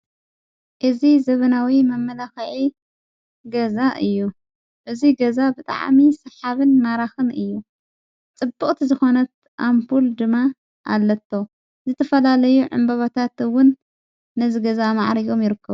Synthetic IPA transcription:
ʔɨzizɐβɐnawimɐmːɐlaxɐʕi | ɡɐzaʔɨjːu | ʔɨziɡɐzabɨt̪ʼa̰ʕmisɨħaβɨnmaɾaxɨnɨjːu | t͡sʼɨbːɨχʼt̪ʰizɨxo̞nɐt̪̚ | ʔampʰuld̪ɨmːa | ʔa̰lːɐt̪ʰːo̞ | zɨt̪ʰɐfɐlalɐjuʕɨ̰mbɐβat̪ʰat̪ɨwʊnː | ɐziɡɐzamaʕɾijo̞mjɪɾɨkʰːɐβu

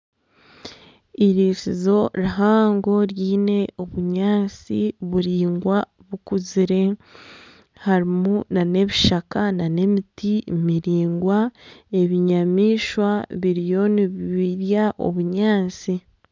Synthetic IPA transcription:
iɾisizo̞ɾaɦaːŋɡo̞ɾjiːne̞oβuɲaːnt͡siβuɾiːŋɡwa | βukuziɾe̞ | haɾimunane̞βiʃakanane̞mitimiɾiːŋɡwae̞βiɲamiːʃwaβiɾijo̞niβiβiɾjaʔo̞̰βuɲaːnt͡si

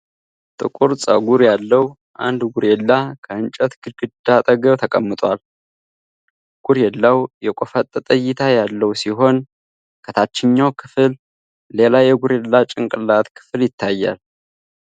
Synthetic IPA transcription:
t̪ʼɨ̰kʼʊɾsʼə̰ɡuɾjalːəwu | ʔa̰nd̪ɡuɾelːakʰəɨnt͡ʃʼət̪ɡɨɡɨd̪̥at̪ʼəɡəβt̪ʰəkʼəmːɨt̪ʼwal | ɡ̥uɾjɛlːawjɛkʷʼofət̪ʼːt̪ʼəjːɪt̪ʰajalːəwsiɦo̞n | kʰət̪ʰat͡ʃːɪɲːawkʰɨfɨlː | e̞lajɛɡuɾelːat͡ʃʼɪŋkʼɨlat̪kʰɨ̥fɨljɪt̪ʰːajːa̰l

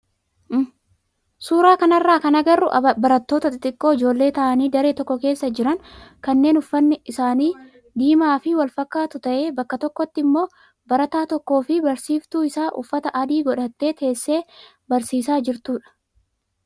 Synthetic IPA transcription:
suːɾaːkɐnɐrːaːkɐnɐɡɐrːʊʔbɐɾɐt̪ːo̞ːt̪ɐt̪ɪt̪ʼɪkʼːo̞ːɪd͡ʒo̞ːlːe̞ːt̪ɐʔɐniːd̪ɐɾe̞ːt̪ɔkːɔke̞ːsːɐd͡ʒɪɾɐŋkɐnːe̞ːnʊfːɐnːɪɪsaːniː | d̪iːmaːfɪwɐlfɐkːaːt̪ʊt̪ɐʔe̞ːbɐkːɐt̪ɔkːɔt̪ːɪmːo̞ː | bɐɾɐt̪aːt̪ɔkːo̞ːfɪbɐɾsiːft̪uːɪsaːʔʊ̰fːɐt̪ɐʔɐd̪iːɡɔᶑɐt̪ːe̞ːt̪ʰe̞ːsːe̞ː | bɐɾsiːsaːd͡ʒɪɾt̪uːᶑɐ̥

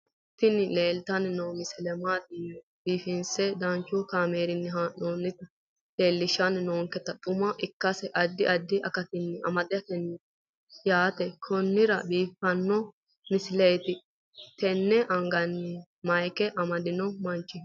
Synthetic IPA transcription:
t̪ɪnɪleːlt̪ɐnnowmɪsɪlɛmaːd̪ɪjɔ | biːfɪnsɛd̪ɐnt͡ʃːʊkaːmeːɾɪnːɪɦanoːnːɪt̪ɐ | leːlːɪʃːɐnnoːŋkɛt̪ːɐt̪ʼʊmɐʔɪkːɐsɛʔɐd̪ːɪʔɐd̪ːɪʔɐkɐt̪ɪnːɪɐ̰mɐd̪ɛɐt̪ɛnːɪ | jaːt̪ɛkʰɔnːɪɾɐbiːfɐnːɔ | mɪsɪlɛjt̪ɪ | t̪ɛnːɛʔɐŋɡɐnːɪ | mɐjkɛʔɐmɐd̪ɪnɔmɐnt͡ʃːɪ

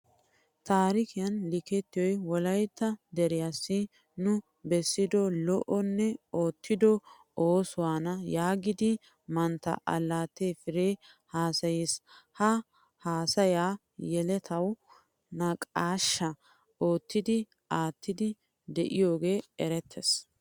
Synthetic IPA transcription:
t̪aːɾɪkɪjɐnlɪkɛt̪ːɪjɔjwɔlɐjt̪ːɐd̪ɛɾɪjasːɪ | nʊ | bɛsːɪd̪ɔlɔʔɔnːɛo̞ːt̪ːɪd̪ɔ | oːsʊwaːnɐjaːɡɪd̪ɪ | mɐnt̪ːɐ̰ʔɐ̰lːaːt̪efɪɾeː | haːsɐjishɐ | haːsɐjaː | jɛlɛt̪ʰɐw | nɐkʼaːʃːɐ | o̞ːt̪ːɪd̪ɪ | ʔaːt̪ːɪd̪ɪ | d̪ɛʔɪjo̞ːɡe̞ːɛɾɛt̪ʰːɛs

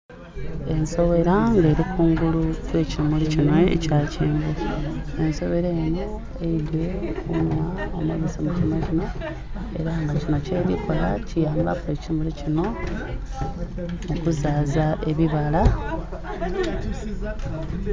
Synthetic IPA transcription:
e̞nso̞βe̞ɾaŋɡe̞ːɾikuːŋɡulukwe̞ːcimulicinweḛcaːceːmboenso̞βe̞ɾeːno̞ | eidekunwao̰mwaβisamucinocino̞ | e̞̰ɾaŋɡacino̞ce̞ːɾikola̰cijaːmba̰kwe̞ːcimulicino̞ | okuzaːzae̞βiβala

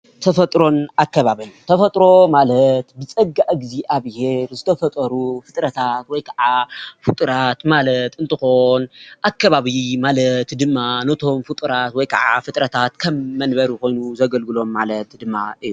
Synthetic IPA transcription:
t̪ʰɐfɐt̪ʼɾo̞nakːɐβaβɨnt̪ʰɐfɐt̪ʼɾo̞malɐt̪bɨt͡sʼɐɡːaʔɨɡziʔaβheɾzɨt̪ʰɐfɐt̪ʼɐɾufɨt̪ʼɾɐt̪ʰat̪wɔjkʰaʕafɨt̪ʼɾat̪malɐt̪ɨnt̪ʰɨxo̞nʔakːɐβaβimalɐt̪d̪ɨmːanɐt̪ʰo̞mfɨt̪ʼɨɾat̪wɔjkʰa̰ʕa̰fɨt̪ʼɾɐt̪ʰat̪kʰɐmːɐnbɐɾiko̞jnuzɐɡɐlɡɨlo̞mːalɐt̪d̪ɨmːa̰ʔɨjːu

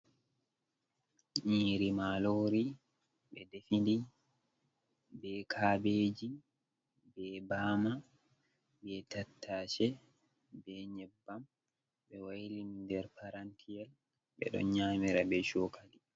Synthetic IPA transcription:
ɲiːɾimaːloːɾi | ɓɛdefindi | bɛːkʰaːbeːd͡ʒi | bɛːbaːma | bɛtatːaːt͡ʃɛ | bɛːɲɛbːam | ɓɛwajlinindɛɾpaɾantʰijɛl | ɓɛ̰ɗɔ̰nɲaːmiɾabɛʃɔːkʰali

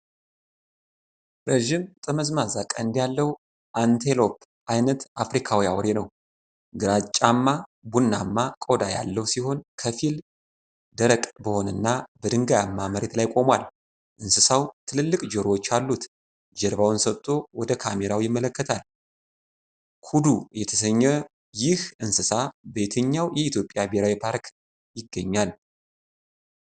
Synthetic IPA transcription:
ɾeʒimt̪ʼəməzmazakʼəɨnd̪ijalːəw | ʔant̪ʰelo̞pʰ | ʔajnət̪ʔafɾikʰawiawɔɾenəw | ɡɨɾat͡ʃʼːamːabunːamːakʼo̞d̪aja̰lːəwsiho̞nkʰəfil | d̪əɾəkʼbəho̞nɨnːabəd̪ɨŋɡajamːaməɾet̪lajkʼo̞mwal | ʔɨnsɨsawt̪ʰɨlɨlːɨkʼd͡ʒɛɾwo̞t͡ʃːalːut̪ | d͡ʒɛɾβawɨnsət̪ʼːo̞wɔd̪əkʰame̞ɾawjɪmːələkːət̪ʰal | kʰud̪ujɛt̪ʰəsəɲːɛ | jɪhɨnsɨsabe̞t̪ʰəɲːawjɛit̪jo̞pʼːjabeɾawipʰaɾk | jɪɡːəɲːal

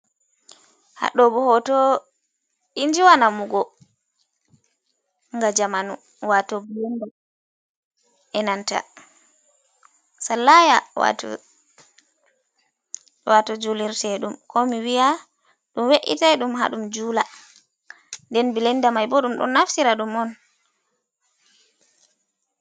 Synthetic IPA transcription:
ha̰ɗɔbɔhɔtɔ | iɲd͡ʒiwanamuɡɔ | ŋɡad͡ʒamanu | watɔbilɛnda | ʔɛnanta̰ | salːajawa̰tɔ̰ | watɔd͡ʒuliɾtɛɗumkɔmiwija | ɗumweʔḭtaɗumɦa̰ɗumd͡ʒuːla | ndɛnbilɛndamajbɔɗumɗɔ̰nːaftiɾaɗumɔn

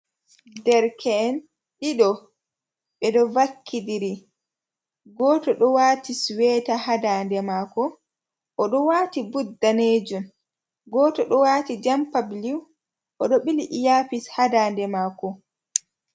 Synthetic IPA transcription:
dɛɾkʰɛn | ɗiɗɔ | ɓɛɗɔvakʰːidiɾi | ɡɔːtɔɗɔwaːtiswɛːtahadaːndɛmaːkɔ | ʔɔɗɔwaːtibudːaneːd͡ʒum | ɡɔːtɔɗɔwaːtid͡ʒampabliw | ʔɔɗɔɓiliʔjaːpishadaːndɛmaːkɔ

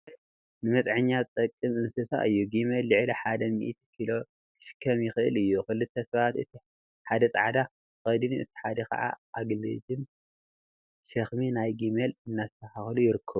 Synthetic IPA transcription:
nɨmɐt͡sʼʕɨɲːat͡s̪ʼɐkʼːɨmɨnsɨsa̰ʔɨjːuɡimelːɨʕliħad̪ɐmḭʔit̪ʰkʰilo̞ | kʰɨ̥ʃɨ̥kʰːɐmjɪxɨʔɨ̰lɨjːukɨlːɨt̪ʰːɐsɐβat̪ɨ̰t̪ʰi | ħad̪ɐt͡sʼa̰ʕd̪a | xɐd̪iniɨ̰t̪ʰi̥ħad̪ɐkɐ̰ʕa̰aɡlɐd͡ʒɨn | ʃɐxminajɡimelɨnːazɨt̪ʰɐxaxlujɪɾɨkʰːɐβu

